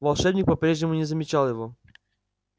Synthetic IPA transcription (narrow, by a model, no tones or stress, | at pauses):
valˠʂɛbɲʲik̚pɔpɾɛʒɲʲɛmuɲɛzamʲit͡ʃalɛvɔ